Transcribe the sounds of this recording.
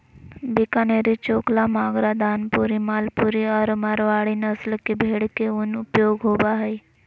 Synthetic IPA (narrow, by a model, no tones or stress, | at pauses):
bikaneɾit͡ʃoːklamaːɡɾad̪ʱaːnpuɾimaːlpuɾiɔːɾmaɾʋaːɽinəslkebʱeːɽkeʊnʊpjoːɡɦobaɦəj